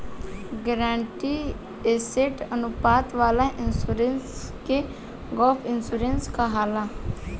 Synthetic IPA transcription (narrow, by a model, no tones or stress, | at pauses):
ɡəɾãːɳʈi | eːseʈənupaːt̪ʋaːlaʔɪnsuːɾenske | ɡɔːpʰɪnsuːɾenskaɦaːla